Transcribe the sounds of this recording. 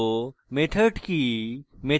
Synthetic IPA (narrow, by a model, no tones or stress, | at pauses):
met̪ʰəʈkime